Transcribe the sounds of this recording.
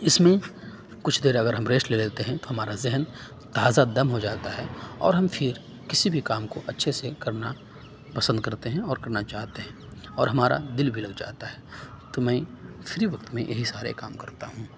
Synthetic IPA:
ɪsmẽ | kʊt͡ʃʰd̪eːɾɐɡəɾɦɐ̃mɾeːsʈleleːt̪eɦɛ̃t̪oɦɐmaːɾazɛɦn | t̪aːzad̪ɐmɦod͡ʒaːt̪aɦɛɔ̰ːɾɦɐ̃mfʰɪɾ | kɪsibʱikaːmkoʔɐtːʃʰesekɐɾna | pɐsə̃nd̪̚kɐɾt̪eɦɛ̃ɔːɾkɐɾnat͡ʃaːɦt̪eɦɛ̃ɔːɾɦɐmaːɾa̰d̪ɪlbʱilɐɡd͡ʒa̰ːt̪aɦɛː | t̪omɛ̃ːfʰɪɾiʋɐk̚t̪mẽjʔɐɦisaːɾḛkaːmkɐɾt̪a̰ɦũː

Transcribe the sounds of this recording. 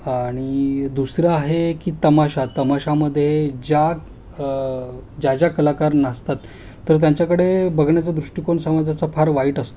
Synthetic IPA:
aɽ̃id̪usɾaːɦekiːt̪əmaɕat̪əmaɕaməd̪ʱːjed͡ʑaɡ | d͡ʑad͡ʑakəlakaɾnast̪at̪ː | əɾt̪̬jãɲt͡ɕakəɽebəɡʱɳjat͡sad̪ɾuʂʈikoɳsəmad͡zʱat͡safʰaɾʋaiːʈəst̪o

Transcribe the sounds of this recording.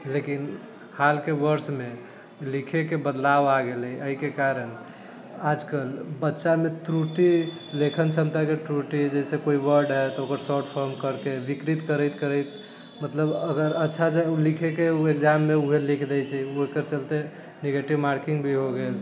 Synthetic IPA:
lekin | halkebəɾsme | likʰekebəd̪laʋaɡeləiəɦikekaɾən | ad͡ʒkəlbətːʃameʈɾuʈi | lekʰənt͡ʃʰəmt̪akeʈɾuʈid͡ʒɛsẽkoiʋəɾɖɦɛt̪okəɾsɔɾʈpʰəɾmkəɾkebikɾit̪kəɾəjt̪kəɾəjt̪ | mət̪ləbəɡəɾətːʃʰad͡ʒaulikʰekeuekd͡ʒamːeuɦelikʰd̪ɛjt͡ʃʰɛuoikəɾt͡ʃəlt̪e | neɡeʈiʋmaɾkiŋɡbʱiɦoɡel

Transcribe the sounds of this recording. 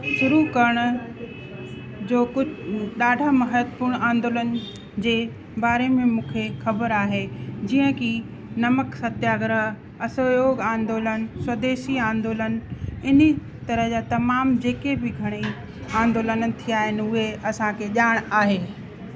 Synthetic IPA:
ʃʊɾukɐɾəɽ̃ʊ̆ | d͡ʑoːkʊɗaːɖʱamɐɦəd̪puɾɽ̃ãːnd̪oːlənɪ̆ | d͡ʑeː | baːɾemẽmũːkʰexɐbəɾaːɦed͡ʑiːə̃ki | nɐməksɐt̪jaːɡɾəɦ | ɐsojoːɡãːnd̪oːlənɪswɐd̪eːʃiãːnd̪oːlənɪni | t̪ɐɾəɦd͡ʑaːt̪ɐmaːmd͡ʑeːkebɪɡʱɐɽ̃i | ãːnd̪oːlənt̪ʰijaːɦɪnɪ̆ʊɦeʔɐsãkʰeʄaːɽ̃aːɦeː

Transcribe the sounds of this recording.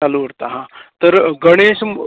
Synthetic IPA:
aluʋəɽt̪aɦãt̪əɾɡəɽ̃eːɕm

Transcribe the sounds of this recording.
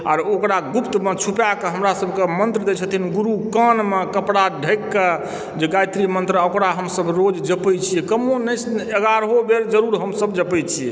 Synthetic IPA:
a̰ɾokɾaɡupt̪met͡ʃʰupjakeɦəmɾasəbʱkemənt̪ɾəd̪et͡ʃʰət̪ʰinɡuɾukənmekəpɽaɖʱəjkːe | d͡ʒeɡajt̪ɾimənt̪ɾokɾaɦəmsəbɾod͡ʒd͡ʒəpɛt͡ʃʰijɛkəmonɛt͡ʃʰeɡaɾɦobeɾd͡ʒəɾuɾɦəmsəbd͡ʒəpɛt͡ʃʰiɛ

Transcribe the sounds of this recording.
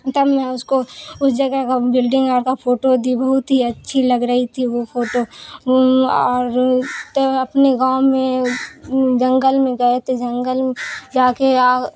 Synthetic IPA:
t̪ɐbmɛ̃ʊskoʊsd͡ʒɐɡəkabɪlɖɪ̃ŋɡɔːɾkapʰoːʈod̪ibɐɦʊt̪ɦiɐtːʃʰilɐɡɾɐɦit̪ʰiʋopʰoːʈo | ɔːɾt̪ɐpneɡaːʊmẽ | d͡ʒɐ̃ŋɡəlmẽɡɐet̪ed͡ʒə̃ŋɡəlmd͡ʒaːkea

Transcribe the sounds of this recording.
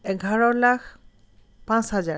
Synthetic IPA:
ɛɡʱaɹɔɹlakʰ | pãsɦaza

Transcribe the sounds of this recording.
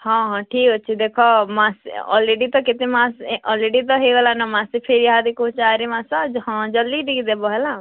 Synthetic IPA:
hɔ̃ɦɔ̃ʈʰiːkɦɔt͡ʃʰid̪ekʰɔmãsɔ̰leɖit̪ɔkɪt̪emãsɔleɖit̪̬ɔɦiɡɔlanɔmãsipʰeɾiɦad̪ikũt͡ʃaːɾimãsad͡ʒɦɔ̃d͡ʒɔlːid̪iɡid̪ebɔɦɛla

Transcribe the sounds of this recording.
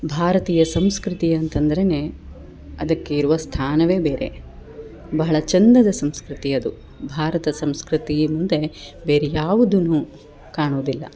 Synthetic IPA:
bʱaːɾɐt̪iːjɐsɐmskɾit̪iɐnt̪ɐnd̪ɐɾe̞neː | ɐd̪ɐkːeiɾuʋɐst̪ʰaːnɐʋe̞ːbe̞ːɾe̞̰ | bɐɦɐɭɐt͡ʃɐnd̪ɐd̪ɐsɐmskɾit̪iɐd̪u | bʱaːɾɐt̪ɐsɐmskɾit̪iɐmund̪e̞beːɾejaːʋud̪unu | kaːɳoːd̪ilːɐ̰

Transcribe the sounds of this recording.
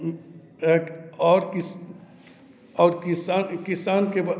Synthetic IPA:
eːkɔːɾkɪs | ɔːɾkisaːnkɪsaːnkeba

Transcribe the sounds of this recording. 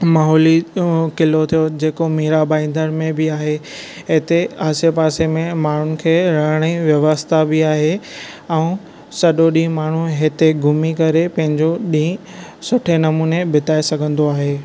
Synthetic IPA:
maːɦɔːlikɪlot̪ʰijod͡ʑeːkomiːɾabaːĩnd̪ənmẽbɪaːɦe | ɦɪt̪eaːsepaːsemẽmaːɳ̤ʊnɪ̆kʰeːɾɐɽ̃iʋjɐʋəst̪ʰabɪaːɦe | ɛ̃ː | sɐɗoɗĩːmaːɳ̤uɦɪt̪eɡʱʊmikɐɾepɐ̃ɦɪ̃ɲd͡ʑoɗĩː | sʊʈʰenɐmuːnebɪt̪aːesɐɡʱə̃nd̪oaːɦeː

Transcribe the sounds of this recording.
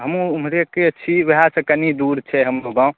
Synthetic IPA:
ɦəmũumɾekeəːt͡ʃʰiʋeɦasə̃kənid̪uɾt͡ʃʰɛɦəmbobã

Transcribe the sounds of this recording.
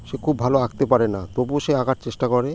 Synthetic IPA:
ʃekʰubːʱaloaɡt̪epaɾenat̪obuʃeaɡaʈ̚t͡ɕeʃʈakɔɾe

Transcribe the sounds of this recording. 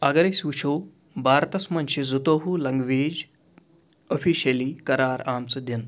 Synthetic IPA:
ɐɡɐɾɐsuːt͡ʃʰoː | bʱaːɾt̪ɐsmɐnʲʃizut̪oɦulɐŋɡʋeːd͡ʒ | ofʰiːʃɐliːkɐɾaːɾaːmt͡sɐd̪ʱɐn

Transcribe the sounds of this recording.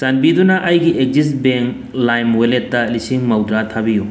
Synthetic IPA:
sɐnbid̪unaʔɐjɡiʔek̚zisʈbeŋk | lajmwelet̪ːalisiŋmɐwd̪ɾat̪ʰabiju

